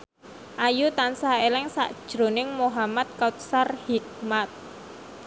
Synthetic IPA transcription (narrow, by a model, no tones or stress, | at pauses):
ʔajut̪ansaelɪŋsa̰ʔd̥ʒ̥ɾo̤nɪŋmoɦamat̪̚kat̪̚sarhik̚mat̪̚